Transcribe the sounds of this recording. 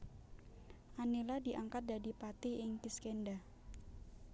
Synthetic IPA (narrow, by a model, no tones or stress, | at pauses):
ʔaneladiʔaŋkat̪̚dadipat̪ɪhɪŋpiskenda